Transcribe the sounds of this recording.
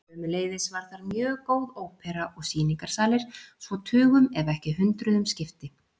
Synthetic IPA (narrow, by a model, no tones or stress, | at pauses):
ʏmʏleːjðɪsvaɾ̥θaɾmjœːkoːwðoːwpʰɛɾaʔɔɣsiːniŋkaɾ̥saːlɪɾ̥svɔt̪ʰʏːɣʏmɛvɛhcɪɦʏnt̪ɾʏðʏmscɪft̪ɪ